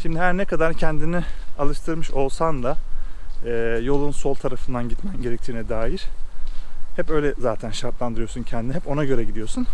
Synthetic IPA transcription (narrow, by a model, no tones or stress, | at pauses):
ʃimd̪ihæɾnɛkʰad̪aɾcʰɛnd̪inialˠɯʃt̪ʰɯɾmɯʃo̞lˠsand̪a | ɛːjo̞lˠunso̞lˠt̪ʰaɾafɯnd̪anɟit̪mænɟe̞ɾɛc̚t̪ʰiːnɛd̪aːjiɾ̥ | hɛpø̞jlʲɛzaːt̪ʰænʃaɾt̪lˠand̪ɯɾɯjo̞suncʰɛnd̪iniɦɛpo̞naɟø̞ɾɛɟid̪ijo̞ɾsun